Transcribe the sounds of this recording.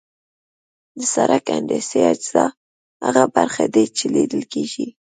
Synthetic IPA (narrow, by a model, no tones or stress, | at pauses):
d̪əsaɾakand̪esead͡ʒz̥ɑ | haɣabaɾxad̪et͡ʃeled̪əlkeʒi